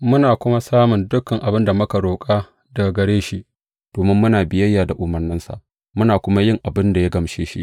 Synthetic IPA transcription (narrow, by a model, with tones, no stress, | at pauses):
mʊ˦naː˨kʷʊ˦ma˦saː˦mʊ˨ndʊ˦kːɐ˨ŋʔa˨bɪ˦nda˨mʊ˦ka˨ɽoː˨kʼaː˦ | da˨ɡɐ˨ɽeː˦ʃi˦ʔ | d̥oː˨mɪ˦mːʊ˦naː˨bɪ˦jɐ˦jːaː˨da˨ʔʊ˨mɐ˨rnɪ˦nsa̰˨ʔ | mʊ˦naː˨kʷʊ˦ma˦jɪ˦˨ŋʔa˨bɪ˦nda˨ja˦ɡɐ˨mʃeː˦ʃḭ˦ʔ